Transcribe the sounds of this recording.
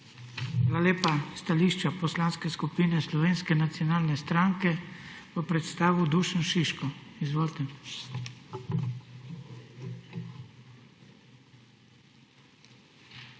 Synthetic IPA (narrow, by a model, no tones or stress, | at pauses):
xaːlaleːpast̪aliːʃt͡ʃapɔslaːnskɛskupiːnɛslɔʋeːnskɛnat̪siɔnaːlnɛst̪ɾaŋkɛpəpɾɛt̪st̪aːʋud̪uːʃənʃiʃkɔizʋoːlt̪ɛ